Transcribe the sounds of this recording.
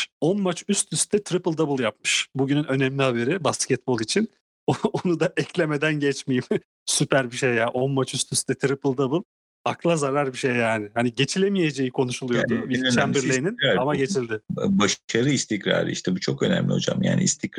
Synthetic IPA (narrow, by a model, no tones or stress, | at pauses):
o̞nmat͡ʃyst̪ʰyst̪ʰɛt̪ʰɾipɯlˠʲd̪ebɯlˠjapmɯʃbuɟynynø̞nɛmlʲihabe̞ɾibascɛt̪̚bo̞lˠit͡ʃʰin | oonud̪aʔɛclʲe̞me̞d̪ænɟɛt͡ʃmejim | sypʰæɾbiʃejjaʔo̞nmat͡ʃyst̪ʰyst̪ɛt̪ʰɾipɯlˠd̪ebɯlˠ | aklˠazaɾaɾbiʃe̞jːaːnɪhaniɟe̞t͡ʃʰilʲe̞mije̞d͡ʒejikʰo̞nuʃulˠujoɾd̪uvit͡ʃʰænbiɾlʲeninamaɟe̞t͡ʃʰilʲd̪ɪbaʃaɾɯist̪ʰicɾa̰ːɾɯ̰ḭʃt̪ʰɛbut͡ʃʰo̞kø̞næ̰mlʲio̰d͡ʒa̰mja̰ːnḭist̪ʰicɾ